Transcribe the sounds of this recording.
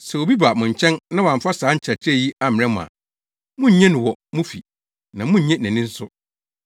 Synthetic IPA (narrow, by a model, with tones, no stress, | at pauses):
sɛ˨wo˨bi˦ba˨mʊ̃˨ɲ̩˨t͡ɕʰɛ̃˦nnã˦wã˨m˨fa˦saː˨˦ɲ̩˦t͡ɕʰɛ˨t͡ɕʰɛ˦˨ji˦a˦m̃˨ɾɛ̃˦mʊ̰̃˨a̰˨ | mʊ̃˦ɲ̩˦ɲɛ̃˦nʊ̃˨wɔ˨mʊ̃˦fi˨ | nã˨mʊ̃˦ɲ̩˦ɲɛ̃˦næ̃˨nĩ˦n̩˦sʊ˦